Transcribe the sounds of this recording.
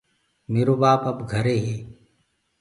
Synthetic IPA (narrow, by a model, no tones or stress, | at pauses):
meːɾobaːpɐpɡʱɐɾeɦeː